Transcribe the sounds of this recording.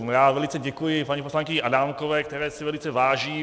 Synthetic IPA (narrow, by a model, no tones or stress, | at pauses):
jaːvɛlit͡sɛɟɛkujɪpaɲiposlaŋkɪɲʔadaːmkovɛːkt̪ɛɾɛːsɪvɛlit͡sɛvaːʒiː